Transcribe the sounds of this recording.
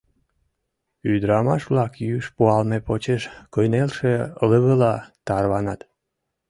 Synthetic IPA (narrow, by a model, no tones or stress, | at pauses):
yd̪ɾɑmɑʃβlɑkjyʃpuɑlmepot͡ɕeʃkojnelʃeləβəlɑt̪ɑrβɑnɑt̪